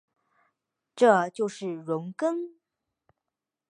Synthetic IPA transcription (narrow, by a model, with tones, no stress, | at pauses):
ʈ͡ʂɤ˥˧t͡ɕjo˥˧ʊʂɻ̩˥˩ɻʊ˧˥ŋkə˥ŋ